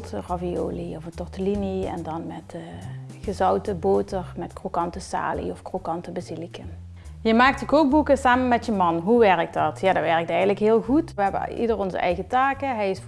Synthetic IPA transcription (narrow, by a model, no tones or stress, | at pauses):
lˠtərɑvio̰ːliɔvəntɔɹtəliniɛ̰ndɑnmɛtː | ɣəzɑwtəboːtərmɛtkrokɑntəsa̰ːlḭɔfkrokɑntəbazilikə | jəmaːk̚təkoːk̚bukəsaːmənmɛtjəmɑnɦuʋɛɹək̚dɑtjaːdɑʋɛɹək̚tɛjɣəntləkɦɪːlˠɣutʋəɦɛbə̰ʔḭdərɔnzə̰ʔɛ̰jɣətaːkəɦɛjɪs